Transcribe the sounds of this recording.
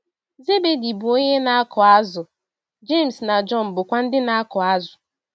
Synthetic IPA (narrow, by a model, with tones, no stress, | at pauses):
ze˦be˨di˨bʊ˨o˦ɲe˦na˦a˦kɔ˨a˦zʊ˨ | d͡ʒe˦˨m̩˨sna˨d͡ʒɔ˦m̩˨bʊ˨kʷa˦n̩˦dɪ˦na˦a˦kɔ˨a˦zʊ̥˨